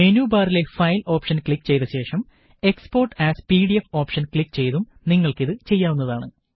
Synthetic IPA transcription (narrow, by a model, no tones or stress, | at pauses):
menuːbaːrile̞fɐjlo̞ːpʂɐnkɭikːt͡ɕe̞jt̪ɐɕe̞ːʂɐm | e̞kspo̞ːrʈːæːspiɽiefo̞ːpʂɐnkɭikːt͡ɕe̞jðum | niŋːɐɭkiðɨt͡ɕe̞jːaːʋunːɐðaːɳɨ